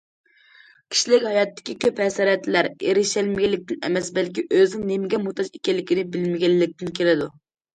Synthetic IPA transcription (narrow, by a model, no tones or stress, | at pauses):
kʲʰi̥ʃilɪkʲhɑjɑt̪ːɪ̥kʲikʲʰøphɛsɑɾɛt̪ʰːlæɾeɾɪʃɛlmɪɡʲɛlːɪk̚ʲt̪ɪnɛ̰mɛsbɛlkʲiʔøznɪŋnemɪɡʲɛmut̪ɑʃekʲɛlːɪkʲinɪbɪlmɪɡʲɛlːɪk̚ʲt̪ɪnkʰʲelɪd̪u